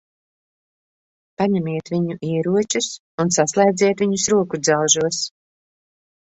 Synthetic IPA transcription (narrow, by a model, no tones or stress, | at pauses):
paɲɛmiɛt̪viɲuʔiɛɾuɔt͡ʃus | unsaslˠɛjd̪zʲiɛt̪viɲusɾuɔkud̪zawʒuɔs